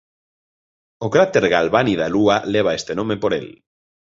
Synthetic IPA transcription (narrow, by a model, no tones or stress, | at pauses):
okɾat̪eɾɣalβaniðalualeβ̞aest̪enõmepoɾel